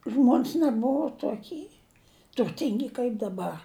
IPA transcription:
ˈʒmoːnʲs nʲɛˈbʊʋoː toːˈkʲiː tʊrʲˈtʲɪŋʲɡʲɪ kɐɪp dɐˈbɐr

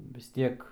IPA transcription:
ʋʲɪs ˈtʲiɛk

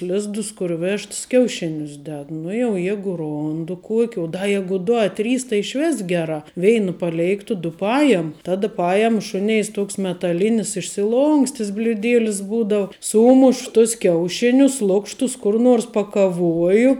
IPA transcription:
ˈlʲɪzdʊs kʊr ˈʋʲɛʃts kʲɛʊˈʃʲɪnʲʊs ˈdʲɛt ˈnʊ jɛʊ ˈjæːɡʊ ˈroːndʊ ˈkuɔkʲɪ ʊ dɐ ˈjæːɡʊ ˈdʊ ɐ ˈtʲrʲiːs tɐɪ ɪʃʲˈʋʲɪs ˈɡʲæːˌrɑː ˈʋʲɛɪnɐ pɐˈlʲɛɪktʊ ˈdʊ ˈpɑːjɛm ˈtɑːdɐ ˈpɑːjɛm ˈʃʊnʲɛɪs ˈtoːks mʲɛtɐˈlʲɪnʲɪs ɪʃʲsʲɪˈlˠoːŋksʲtʲɪs bʲlʲʊˈdʲeːlʲɪs ˈbuːdɐʊ ˈsuːmʊʃ tʊs ˈkʲɛʊˌʃʲɪnʲʊs ˈlˠʊkʃtʊs ˈkʊr noːrs pɐkɐˈʋuɔjʊ

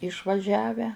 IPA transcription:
ɪʃʋɐˈʒʲæːʋʲæː

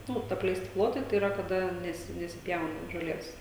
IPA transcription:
ˈnʊ ɐpʲlʲɛɪˈsʲtʲɪ ˈplˠoːtɐɪ tɐɪ ˈiːrɐ kɐˈdɐ ˈnʲæːsʲɪ nʲɛsʲɪˈpʲjɛʊnɐ ʒoːˈlʲeːs

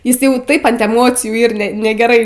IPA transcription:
ˈjɪs ˈjɛʊ ˈtɐɪp ɐnt ɛˈmoːt͡sʲɪjuː ˈiːr nʲɛ nʲɛɡʲɛˈrɐɪ

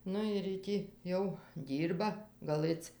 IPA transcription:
ˈnʊ ɪr jiː ˈtʲiː jɛʊ ˈdʲiːrbɐ ɡɐˈlˠɘt͡s

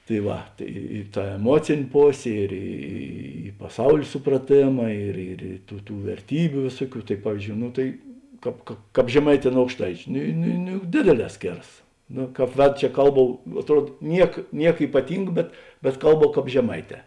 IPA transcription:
tɐɪ ˈʋɐ tɐɪ ɪ ˈtɐ ɛˈmuɔt͡sʲeːnʲ ˈpoːsʲeː ɪr ˈiː pɐˈsɐʊlʲeː sʊprɐˈtʲeːmɐ ɪr ɪr ɪ ˈtuː ˈtuː ʋʲɛrʲˈtʲiːbʲʊ ˈʋʲeːsuɔˌkʲuː tɐɪ ˈpɑːʋʲɪzʲˌd͡ʒʲoːʊ ˈnʊ tɐɪ ˈkɑːp kɐ ˈkɑːp ʒʲɛˈmɐɪˌtʲɛː nʊ ɐʊkʃˈtɐɪt͡ʃʲʊ ˈnʊ ˈnʊ ˈnʊ jʊk ˈdʲeːdʲeːˌlʲɛː ˈsʲkʲeːrɐs ˈnoː ˈkɑːp ˈʋʲæːdʊ t͡ʃʲɛ ˈkɐlˠˌbɐʊ ɐtˈruɔt ˈnʲiɛk ˈnʲiɛk iːpɐˈtʲɪŋk bʲɛt bʲɛt ˈkɐlˠˌbɐʊ ˈkɑːp ʒʲɛˈmɐɪˌtʲɛː

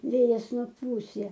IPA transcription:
ˈʋʲeːjɛs nʊˈpuːs ˈjɛ

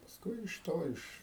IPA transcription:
pɐsˈkʊɪ ɪʃ ˈtoː ˈɪʃ

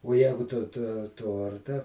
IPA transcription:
oː ˈjæːɡʊ tʊ toː ˈtoːrtɐ

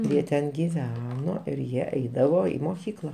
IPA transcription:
ˈjiɛ tʲɛn ɡʲɪˈʋʲæːnoː ɪr ˈjiɛ ˈɛɪdɐʋoː ˈiː moːˈkʲiːklˠɐ

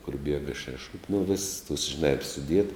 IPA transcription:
kʊr ˈbʲiɛɡɐ ʃʲɛˈʃʊpʲɪ nʊ ʋʲɪs tuɔs ʒʲɪˈnɑː ˈɪr sʊˈdʲiɛt

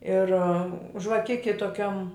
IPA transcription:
ɪr ʒʋɐˈkʲɪkʲɪ toːˈkʲɛm

